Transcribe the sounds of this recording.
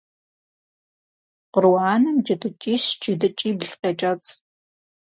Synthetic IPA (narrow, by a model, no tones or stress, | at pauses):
qʊrwaːnɨmd͡ʒʼɪdɨt͡ʃʼiːɕd͡ʒɪdɨt͡ʃʼiːbɮqeːt͡ʃʼɐt͡sʰʼ